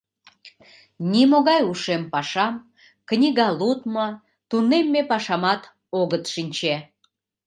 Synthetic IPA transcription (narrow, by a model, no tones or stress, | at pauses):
nʲimoɣɑjuʃempɑʃɑm | knʲiɣɑlut̪mə | t̪unemːepɑʃɑmɑt̪ | oɣət̪ʃinʲt͡ɕe